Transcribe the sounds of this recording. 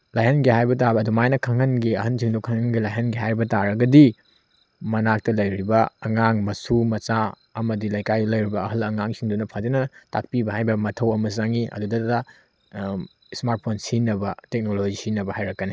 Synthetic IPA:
lajɦɐnɡihajbɐtabɐːdumajnɐkʰɐŋɐnɡiɐɦɐnsʰiŋdukʰaŋɐnɡilajɦɐnɡiɦajɾbɐtaɾɐɡɐdi | mɐnak̚tɐlɐjɾibɐɐŋaŋmɐsumɐt͡ʃa | ɐmɐdilajkajlɐjɾibɐɐɦɐlɐŋaŋsiŋdunɐpʰadinɐta̰k̚pibɐɦajbɐmɐtʰɐwɐmɐzaŋiʔɐ̰dudɐda | smaɾt̚pʰonsinɐbɐtek̚nolod͡ʒisinɐbɐhajɾɐkːɐne

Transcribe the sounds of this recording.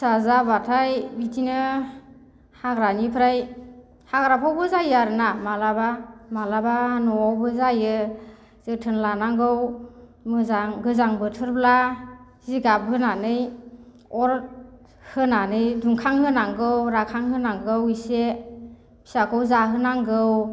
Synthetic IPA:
sazabatʰajbitʰinɯ | haɡɾanipʰɾaj | haɡɾapʰawbɯzajɯaɾɯnamalabamalabanɔawbɯzajɯ | z̥ɯtʰɯnlanaŋɡɯwmɯzaŋɡɯzaŋbɯtʰɯɾbla | ziɡab̚ɦɯnanɯj | ɔɾ | hɯnanɯjduŋkʰaŋhɯnaŋɡɯwɾakʰaŋhɯnaŋɡɯwise | bʰi̥sakʰɔwzaɦɯnaŋɡɯw

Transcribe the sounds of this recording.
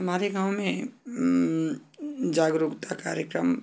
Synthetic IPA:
ɦɐmaːɾeɡãːw̃mẽ | d͡ʒaːɡɾuɡt̪ʰakaːɾjəkɾəm

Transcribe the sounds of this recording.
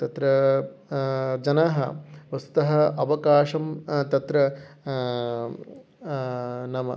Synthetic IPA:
t̪ɐt̪ɾɐ | d͡ʒɐnaɦɐʋɐst̪u̥t̪ɐɦɐɐʋɐkaːʂɐmt̪ɐt̪ɾɐ | nɐmɐ̰

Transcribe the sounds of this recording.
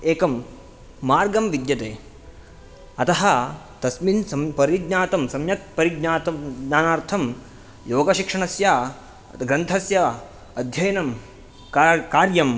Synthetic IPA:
eːkɐmː | aːɾɡɐmʋid̪jɐt̪eː | ɐt̪ɐɦɐ̆ | t̪ɐsminsɐmpɐɾiɡɲaːt̪ɐmsɐmjɐt̪̚pɐɾiɡ̚ɲaːt̪ɐmɡɲaːnaːɾt̪ʰɐm | joːɡɐʃikʂɐɳɐsjaː | t̪ɡɾɐnt̪ʰɐsjɐ | ɐd̪ʱjɐjnɐm | kːkaːɾjɐm

